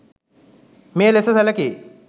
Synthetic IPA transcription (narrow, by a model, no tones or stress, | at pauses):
meːlesɐsɐlɐki